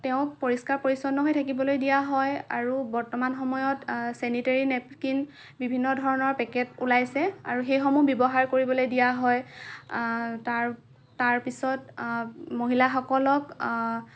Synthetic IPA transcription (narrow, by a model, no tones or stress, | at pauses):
tɛʊ̃kpoɹiskaɹpoɹisɔnːɔɦojtʰakibɔlojdijaɦɔja̰ɹubɔɹtɔmanxɔmɔjɔtsɛniteɹinɛpkin | bibʱinːɔdʱɔɹɔnɔɹpɛkɛtulajsɛa̰ɹuxejxɔmubɔbɔɦaɹkoɹibɔlojdijaɦɔj | taɹː | aɹpisɔt | moɦilaxɔkɔlɔk